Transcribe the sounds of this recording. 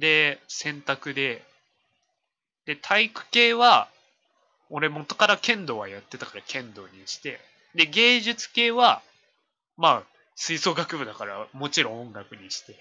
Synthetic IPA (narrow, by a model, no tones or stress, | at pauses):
d̪e̞sẽ̞nt̪akɯ̟d̪e̞ | d̪̥e̞t̪ʰaikɯ̟̥ke̞ːβa | o̞ɾe̞mo̞t̪ːo̞kaɾakẽ̞nd̪o̞ːβajat̪ːe̞t̪akaɾakʰẽ̞nd̪o̞̰ːɲ̟iɕi̥t̪e̞ | d̪e̞ɡe̞ːʑɨt͡sɨ̥ke̞ːβa | maː | sɨiso̞ːɡakɯ̟bɯ̟d̪akaɾamo̞t͡ɕiɾõ̞õŋɡakɯ̟ɲ̟iɕi̥t̪e̞